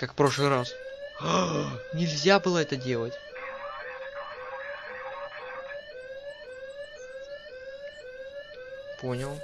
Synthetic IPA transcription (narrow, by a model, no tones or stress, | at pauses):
kakfpɾo̞ʂlˠɨɾas | nʲɪlʲzʲabɨlˠəɛt̪ədʲe̞lˠətʲ | po̞nʲɪlˠ